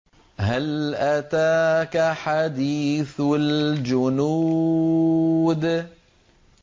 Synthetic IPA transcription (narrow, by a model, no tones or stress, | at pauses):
halʔat̪aːkaħad̪iːθwald͡ʒʊnu | d̪